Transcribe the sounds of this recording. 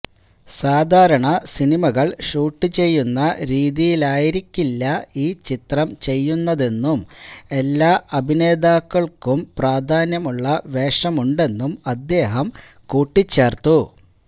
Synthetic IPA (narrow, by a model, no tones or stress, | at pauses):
saːd̪ʱaːɾɐɳɐsiɳimɐɣɐɭʂuːʈːɨt͡ɕe̞jːunːɐɾiːðijilaːjiɾikʲːilːɐiːt͡ɕit̪rɐmt͡ɕe̞jːunːɐðe̞nːume̞lːaːʔɐbʱine̞ːd̪aːkːɐɭkumpraːd̪ʱaːnjɐmuɭːɐʋe̞ːʂɐmuɳɖe̞nːumɐd̪ːe̞ːɦɐm | kuːʈːit͡ɕːe̞ːrt̪ːu